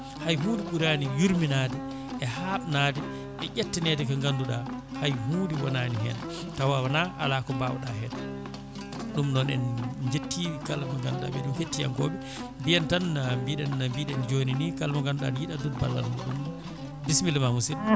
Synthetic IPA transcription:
hajɦuːdiɓuɾanijuɾminadɛ | ɛhaɓnaːdɛ | ʔɛʔatːinɛtɛkaŋɡanduɗahajɦuːdiwɔnaniɦɛ̰na | tawawanaʔa̰lakɔbaw̰ɗahɛɗa | ɗumnɔnɛ̰nd͡ʒetːikalmaŋɡanduɗa̰ɓɛɗumketːija̰ŋkɔːɓɛ | bijɛntanambiɗɛnnambiɗɛnd͡ʒoninikalmaŋɡanduɗa̰djiɗadunba̰lːa̰lɡuɗum | bismilmamusil

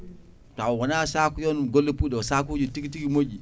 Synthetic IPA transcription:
tawwanasakujonɡolːepudasak̬ud͡ʒutikitikimoɡi

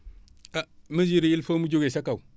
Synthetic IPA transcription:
aməziɾiilfomud͡ʒoɡesakaw

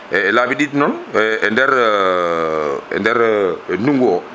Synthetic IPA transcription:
ɛlabiɗidnɔnɛndɛɾ | ɛ̰ndɛɾnuŋɡuɔ

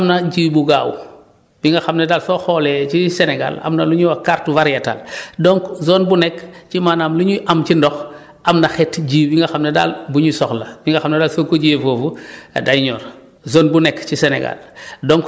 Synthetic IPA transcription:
mnaɟiːbuɡaːw | b̥iŋɡaxamnadalsoxolet͡ʃiseneɡa̰la̰mnaluɲuwakaɾtuvaɾjata̰ldoŋkzonbunekt͡ʃimanamluɲuʔamt͡ʃindɔx | ʔamnaxetɟiːbiŋɡaxamneda̰ːlbuɲusɔxlabiŋɡaxamnedaːlsokoɟievoːvudajɲo̰ːɾ | zoːnbunekcisenḛɡa̰ldoŋk

